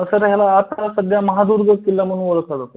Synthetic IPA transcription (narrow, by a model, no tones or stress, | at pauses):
əsəɾɦjalaːt̪asəd̪ʱjaməɦad̪uɾɡʱəkːilːam̤əɽ̤ũːnʋoɭkad͡zat̪o